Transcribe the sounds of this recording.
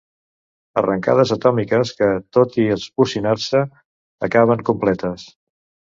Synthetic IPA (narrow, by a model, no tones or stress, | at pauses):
ə̰rəŋka̰ðəzət̪ɔmikəskət̪ot̪iəlˠzpusinasəː | kaβ̞əŋkumplɛt̪əs